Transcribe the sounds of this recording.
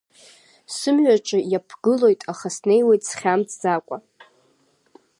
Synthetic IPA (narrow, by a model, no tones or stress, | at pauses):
sɨmɥᶣaʈ͡ʂʼɨjapʰɡ̥ɨlo̞jtʼaχasne̞jwe̞jtʼsχʲamt͡sʰʼd͡zakʷʼa